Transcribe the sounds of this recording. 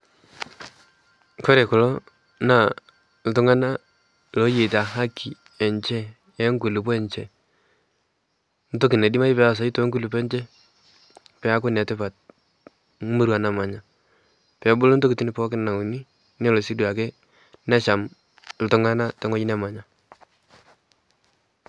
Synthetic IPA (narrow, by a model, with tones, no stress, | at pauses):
ko˦ɾe˨kʊ˨lo˦ | na˦˨ | l̩˨tʊ˦ŋa˦na˦ | lo˦je˨ta˨ɦa˦kʰːi˨ | ɛ˨ɲt͡ʃɛ˦ | ɛ˦ŋɡu˨lu˨pɔ˦ɛ˦˨ɲt͡ʃɛ˦˨ | n̩˦to˦kɪ˨ne˨di˦ma˦i˦pɛ˦a˨s̬a˨˦i˦to˦ŋɡu˦lu˨pɛ˦ɲt͡ʃɛ˦ | pɛ˨˦a˦kʊ˦nɛ˨tɪ˦pa˨t̚ | mu˦ɾwa˨na˨ma˨ɲa˨ | pɛ˨˦bʊ˦lo˦n˦to˦kɪ˨ti˦ni˨pɔ˦kɪ˦n˨na˨u˨ni˦ | ne˦lo˨si˦dwa˨k̬e˦ | na˦ʃa˨m | l̩˨tʊ˨˦ŋa˦na˦tɛ˦ŋo˦t͡ʃi˦nɛ˦ma˨ɲa˦